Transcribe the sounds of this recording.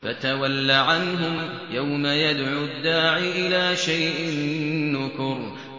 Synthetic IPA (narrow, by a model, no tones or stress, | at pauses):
fat̪awalːaʕanɦʊm | jawmajad̪ʕud̪ːaːʕiʔɪlaːʃajʔɪnːʊkʊɾ